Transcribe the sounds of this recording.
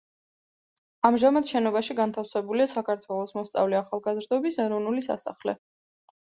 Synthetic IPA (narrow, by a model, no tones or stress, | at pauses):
amʒamad̪ʃɛnɔbaʃiɡant̪ʰafsɛbuliasakʰaɾt̪ʰwɛlˠɔsmɔst̪sʼa̰vliaχalˠɡazɾd̪ɔbisɛɾɔvnulisa̰sa̰χlɛ̰